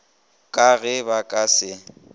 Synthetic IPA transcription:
kʼaɣɛbakʼasɪ

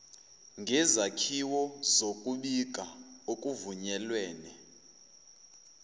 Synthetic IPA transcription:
ŋɡʱɛzakʰiwɔzokʼuɓik̬ʼaokʼuvuɲɛlwɛːnɛ

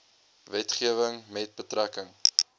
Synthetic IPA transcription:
vɛtχiəvəŋmɛt̚bətrækəŋ

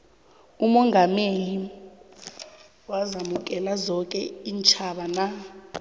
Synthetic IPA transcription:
umɔŋɡʱameli | wazamuk̬ʼɛlazɔkʼɛiːnt͡ʃʰʼaɓana

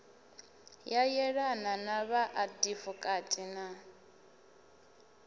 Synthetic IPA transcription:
jajɛɺananaβaʔadifɔkʼatʼina

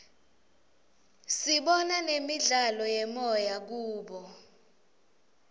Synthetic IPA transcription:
siɓɔnanemiɮalɔjɛmɔjak̬uːɓɔ

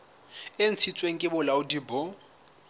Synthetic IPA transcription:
en̩t͡sʰit͡sʼweŋ̩kʼɪbʊlaʊdiːbɔ

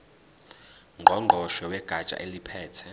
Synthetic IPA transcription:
ŋɡʱɔŋ͡ǃʱɔʃɛwɛɡ̥ʱḁt͡ʃʼa̰ʔelipʰɛːtʰɛ

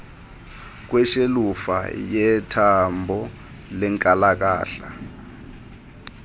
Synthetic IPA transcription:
k̬wɛʃelufa̰jɛtʰambʱɔ | lɛŋkʼalak̬a̰ːɬa̰

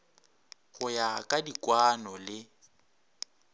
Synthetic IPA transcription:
ɣʊjakʼadikʼwanɔlɪ

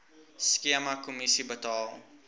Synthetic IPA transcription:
skiəmakomisibətɑːlˠ

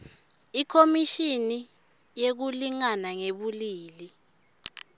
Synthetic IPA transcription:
ikʰomiʃini | jek̬uliŋanaŋeɓuliːli

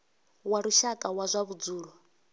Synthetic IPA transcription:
waɾuʃakʼawazʷaβud͡zuːɺɔ

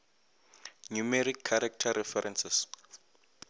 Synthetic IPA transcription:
numɛɾikʰːaɾak̚tʰaɾɛfɛɾɛnsɛs

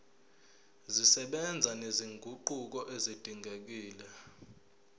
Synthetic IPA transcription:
zisɛɓɛnd͡zʱaneziŋɡʱuǃuk̬ɔʔezid̥ʱiŋɡʱek̬iːlɛ

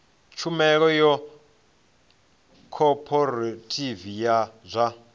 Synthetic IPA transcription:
t͡ʃʰumɛk̬ɔjɔ | kʰɔpʰɔɾatʼivijazʷa

